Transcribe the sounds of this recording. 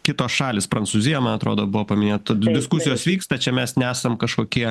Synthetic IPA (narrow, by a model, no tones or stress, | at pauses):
kʲɪt̪oːsʃɑːlʲɪspɾɐnsuzʲɪjɛmɐnɐt̪ɾo̰ːd̪oːbʊʋoːpɐmʲɪnʲeːt̪odʲɪskʊsʲɪjoːsʋʲiːkst̪ɐt͡ʃʲɛmʲɛsnʲæːsɐmkɐʃkoːkʲiɛ